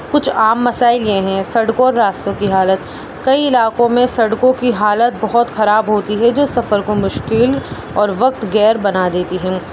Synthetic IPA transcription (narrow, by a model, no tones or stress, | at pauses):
kʊt͡ʃʰaːmːɐsaːɪljeɦɛ̃sɐɽkõɔːɾːaːst̪õkiɦaːlət̪ | kɐiɪlaːkõmẽsɐɽkõkiɦaːlət̪̚bɐɦɔt̪xɐɾaːbɦoːt̪iɦɛd͡ʒoːsɐfəɾkomʊʃkɪl | ɔːɾʋɐk̚t̪ɡɛːɾbɐnad̪eːt̪iɦɛ̃ː